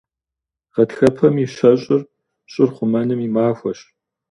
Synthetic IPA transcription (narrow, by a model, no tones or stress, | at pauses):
ʁɐtxɐpʰɐmiɕɐɕʼɪr | ɕʼɪrχʷʊmɐnɨmimaːfʷɔɕ